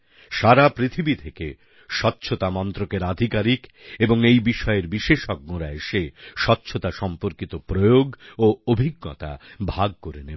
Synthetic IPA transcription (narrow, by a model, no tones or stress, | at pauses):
ʃaɾapɾit̪ʰibit̪ʰeke | ʃɔtːɕʰot̪amɔnt̪ɾokeɾad̪ʱikaɾikeboŋejbiʃɔeeɾbiʃeʃɔk̚ːoɾaeʃeʃɔtːɕʰot̪aʃɔmpoɾkit̪opɾojoɡoobʱiɡːo̰t̪a̰bʱaɡ̚koɾenebe